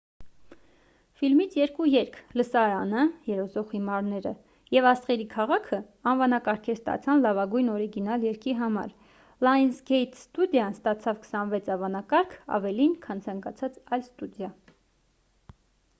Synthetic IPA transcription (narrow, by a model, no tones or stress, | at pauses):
filmit͡sʰjɛɾkujɛɾkʰləsɑɾɑnəjɛɾɔzɔʁhimɑɾnɛɾə | jɛvɑst̪χɛɾikʰɑʁɑkʰə | ɑnvɑnɑkɑɾkʰɛɾst̪ɑ̰t͡sʰɑnlɑvɑɡujnɔɾiɡinɑljɛɾkiɦɑmɑ̰ɾ | lɑjnsɡɛjt̪ʰst̪ud̪jɑnst̪ɑt͡sʰɑvkʰə̥sɑnvɛt͡sʰɑvɑnɑkɑɾkʰɑ̰vɛlinkʰɑnt͡sʰɑŋkɑt͡sʰɑt͡sɑjlst̪ud̪jɑ